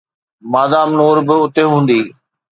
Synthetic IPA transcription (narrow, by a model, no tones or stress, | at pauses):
maːd̪aːmnoːɾbɪʊt̪eɦũːn̆d̪iː